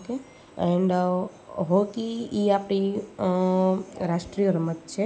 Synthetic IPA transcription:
oke | ɛɳɖə | ɦokiiapɽi | ɾaʃʈɾiəɾmət̪̚t͡ʃʰe

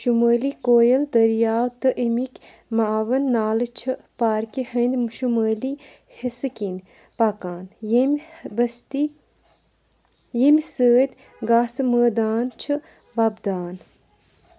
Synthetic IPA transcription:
ʃuməːlikoːjɐld̪ɐɾjaːwt̪ɨʔimikʲ | maːʋɐnːaːlɨt͡ʃʰɨpaːɾkihɐnd̪mʃuməːli | hisɨkin | pakaːnjimʲbəst̪i | jimʲsəːt̪ʲ | ɡaːsɨməːd̪aːnt͡ʃʰɨ | ʋɐbd̪aːn

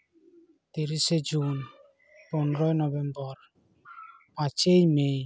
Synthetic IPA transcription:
t̪iɾised͡ʒun | pɔnɾɔjnɔbɛmbɔɾ | pat͡ʃejmej

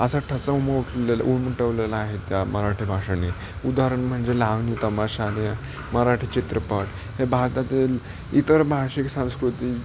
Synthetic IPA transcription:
əsaʈʰəsauməuʈʰlela̰ʔumiʈəʋlelaːɦet̪jaməɾaʈʰibʱaʂani | ud̪aɾəɳm̤əɳd͡zelaʋnit̪əmaɕanijə | məɾaʈʰit͡ɕit̪ɾəpəʈ | hebʱaɾt̪at̪iːl | it̪əɾbʱaɕiksãw̃skɾut̪iː

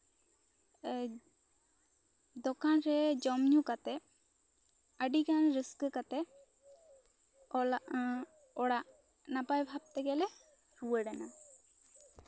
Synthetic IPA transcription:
d̪ɔkanɾɛd͡ʒɔmɲukat̪ɛ | əɖikanɾiskkat̪ɛ | ɔlaʔ | ɔɽaʔ | napajbʱab̚t̪ɛɡɛlɛ | ɾuwəɖɛna

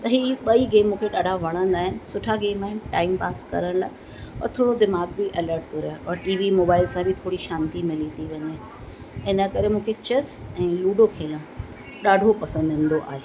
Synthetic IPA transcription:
t̪ɐɦiːɓɐiɡeːmõkʰeɗaːɖʱaʋɐɽ̃ə̃nd̪aːɦɪnɪ̆sʊʈʰaɡeːmaːɦɪnɪʈaːɪmpaːskɐ̰ɾəɽ̃laːɪ | ɔ̰ːɾt̪ʰoːɽod̪ɪmaːɡ̚bɪʔɛləɾʈ̚t̪ʰoɾaaʔɔːɾʈiːʋimoːbaːɪlsãbʱɪt̪ʰoːɽiʃãːnt̪imɪlit̪ʰiʋɐɲe | ɪnəkɐɾemũːkʰet͡ɕɐsɛ̃ːluːɖokʰeːlə̃ | ɗaːɖʱopɐsə̃nd̪ɦɪ̃ːn̆d̪oʔa̰ːɦeː

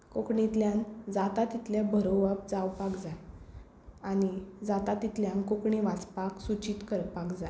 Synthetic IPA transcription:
kokɳit̪ljãnd͡zat̪at̪it̪ljabʱəɾowʋap̚d͡zawpakd͡zaj | añid͡zat̪at̪it̪ljãnkokɳiʋat͡spaksut͡ɕiːt̪kəɾpakd͡zaj

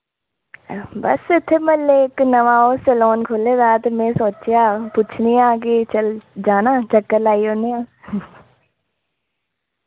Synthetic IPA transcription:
bə̰sɪt̪ʰːeːmɛlːeːɪknəʋaːoːsəlɔːnkʰoːleːd̪aːt̪emɛ̃ːsoːt͡ʃjaːpʊt͡ʃʰnijãːk̬ɪt͡ʃəld͡ʒaːnaːt͡ʃəkːəɾlaːioːnijãː

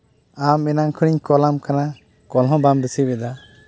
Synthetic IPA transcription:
amɛnaŋkʰɯɽiɲkɔlamkana | kɔlɦɔ̃bamdusibɛd̪a

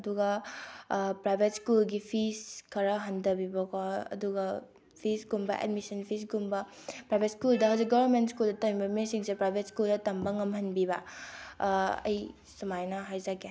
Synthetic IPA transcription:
ɐduɡɐ | pɾajbʱet̚skulɡipʰiskʰɐɾɐɦɐndɐbibɐkʰoɐ̰duɡɐ | pʰisɡumbɐ̰ʔɛ̰dmisɐnpʰis̬ɡumbɐ | pɾajbʱetskuldɐɦɐwzik̚ɡɐbɐɾmentskuldɐtɐmibɐmesiŋsepɾajbʱetskuldɐtɐmbɐŋɐmhɐnbibɐ | ɐ̰j | sumajnɐɦajzaɡe

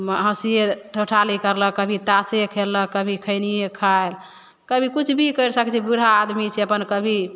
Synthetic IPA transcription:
mɦəsieʈʰoʈʰalikəɾləkːəbʱit̪asekʰeləəbʱikʰəɪnijekʰael | kəbʱikut͡ʃʰbʱikəjɾsəkt͡ʃʰibuɾaːd̪mit͡ʃʰeəpənkəbʱi

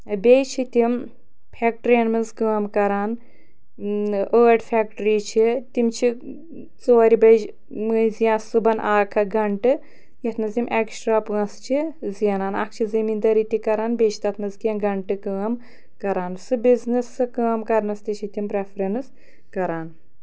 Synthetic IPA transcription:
bʲejt͡ʃʰit̪im | pʰeːk̚ʈɾɐnmɐnzkəːmkɐɾaːn | əːɖfʰʲek̚ʈɾiːt͡ʃʰit̪imt͡ʃʰi | t͡soːɐɾibɐd͡ʒ | mɨzijãːsɨbɐnʔaːkʰɐɡɐɳʈɨ | jɐt̪ʰnɐzʲimʔeksʈɾaːpɐ̃st͡ʃʰiziɐnaːna̰k̚ʰt͡ʃʰizimind̪ɐɾit̪ikɐɾaːnbeːt͡ʃʰi̥t̪ɐt̪ʰnɐzkinɡɐɳʈɨkəːm | kɐɾaːnsɨbiznɨsɨkəːmkɐɾnɐst̪it͡ʃʰit̪impɾefʰɾɐns | kɐɾaːn

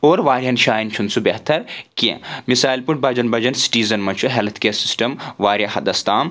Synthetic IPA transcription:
oːɾʋaːɾʲjɐnʃaːjint͡ʃʰunt͡sʰubeɦt̪ʰɐɾkḛ̃misaːilpuɳʈ̚bɐd͡ʒɐnbɐd͡ʒɐnsi̥ʈiːzɐnmɐnt͡ʃʰuɦelt̪ʰkeːsisʈɐmʋaːɾʲjɐ̃hɐd̪ɐst̪aːm

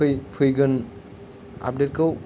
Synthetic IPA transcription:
ɯjpʰɯjɡɯn | a̰p̚det̚kɯw

